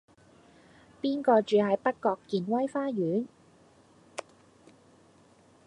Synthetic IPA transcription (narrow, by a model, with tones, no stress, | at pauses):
piː˥nkɔː˧t͡ʃyː˨˧ɦɐ˨jpɐ˥kkːɔː˧kːiː˨˧nwɐ˥jfaː˥jyː˨˥n